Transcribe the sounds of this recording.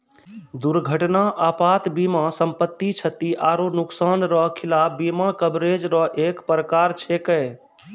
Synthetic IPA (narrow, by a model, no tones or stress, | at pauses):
d̪uɾɡʱəʈnaʔapat̪bimasəmpət̪ːit͡ʃʰət̪iʔaːɾonuksanɾɔɦkʰilabimakəbɾed͡ʒɾɔɦʔekpɾəkaɾt͡ʃʰekɛ